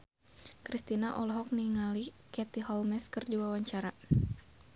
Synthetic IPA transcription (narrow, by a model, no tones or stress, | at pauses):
kɾist̪inaʔɔlɦɔk̚niŋalikɛt̪iɦɔlmɛskərd͡ʒuwawaɲt͡ʃaɾa